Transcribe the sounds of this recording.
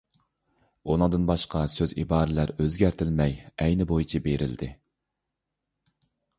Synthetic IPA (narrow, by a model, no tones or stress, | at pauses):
onɨŋd̪ɨnbɑʃqɑsøzḭbɑːɾɪlæɾøzɡʲæɾt̪ʰɪlmɛjɛjnɪbojit͡ʃʰibeɾʔɪ̰ld̪ɪ